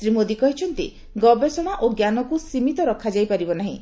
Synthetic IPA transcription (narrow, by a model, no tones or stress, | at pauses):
sɾimod̪ikɔɦit͡ʃʰɔnt̪ḭ | ɡɔbesɔɽ̃aʔoɡjanɔkusimit̪ɔɾɔkʰad͡ʒajpaɾibɔnaɦḭ̃